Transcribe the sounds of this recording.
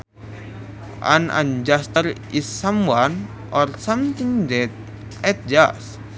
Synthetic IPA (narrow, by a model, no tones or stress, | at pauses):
a̰na̰nd͡ʒast̪əɾisːaman | ɔrsamt̪iŋdɛt̪̚ | ɛt̪̚d͡ʒa̰s